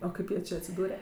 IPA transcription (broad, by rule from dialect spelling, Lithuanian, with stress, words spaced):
oː ˈkɐɪp jiɛ ˈt͡ʃʲeː ɐtʲsʲɪˈduːrʲɛ